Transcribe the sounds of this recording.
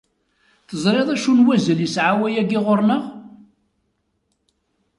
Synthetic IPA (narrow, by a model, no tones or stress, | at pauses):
θəzˤɾˤeðˤæʃunwæzəljəsʕawæjæɡɪʁoɾnəʁ